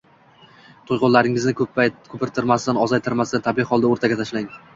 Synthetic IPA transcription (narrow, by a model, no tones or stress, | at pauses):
t̪ʰojqʊnlaɾɪŋɪznɪkkʰɵpɪɾt̪ʰɪɾmasɪd̪anɒzajt̪ʰɪɾmasd̪ant̪ʰabiχɒlˠd̪aoɾt̪ʰaɡʲat̪ʰaʃlaɪŋ